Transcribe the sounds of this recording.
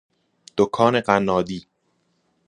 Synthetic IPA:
d̪̥okʰɒːne̞ɢænːɒːd̪iː

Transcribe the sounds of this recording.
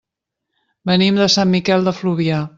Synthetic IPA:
bənimd̪əsamːikɛlˠd̪əfluβia

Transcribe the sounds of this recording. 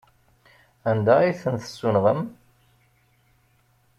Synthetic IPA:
ænd̪æiθənθəsːunʁəm

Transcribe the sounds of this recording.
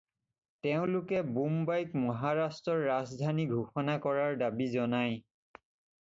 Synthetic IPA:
teʊ̃lʊkɛbumbajkmɔɦaɹastɹɔɹːazdʱaniɡʱuxɔnakɔɹaɹdabizɔnaj

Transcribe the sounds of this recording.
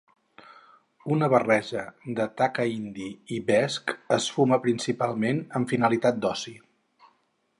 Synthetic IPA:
unəβərɛʒəd̪ət̪akəind̪iiβɛskəsfuməpɾinsipalˠmenəɱfinəlit̪at̪̚d̪ɔsi

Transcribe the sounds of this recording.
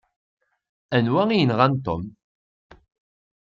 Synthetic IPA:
ænwæŋijənʁant̪o̰m

